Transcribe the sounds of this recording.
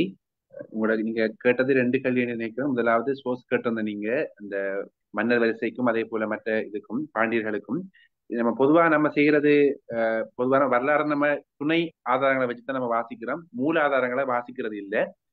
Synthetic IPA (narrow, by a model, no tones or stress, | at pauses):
ʊŋɡɐɭɯniːŋɡɐkeːʈːɐðɯɾɛɳɖɯkɐɭʋjeːninɪnɐɪkːɐɾɐðɯmʊðɐlaːʋɐðɯsoːskeːʈːɪɾɯnd̪ɐniːŋɡɐɐnd̪ɐ | mɐnːɐɾʋɐɾɪsɐɪkːɯmɐðeːpoːlɐmɐʈrɐɪðɯkːɯmpaːɳɖijɐɾɣɐɭɯkːɯm | nɐmːɐpɔðɯʋaːɐnɐmːɐsɛjːɪɾɐðɯ | pɔðɯʋaːnɐʋɐɾɯlaːɾɐmnɐmːɐt̪ʊɳɐɪaːðaːɾɐŋɡɐɭɐʋɐt͡ʃːɯ̥t̪ːaːnɐmːɐʋaːsɪkʲːɪɾoːmːuːlaːðaːɾɐŋɡɐɭɐʋaːsɪkːɪɾɐðɯɪlːɐ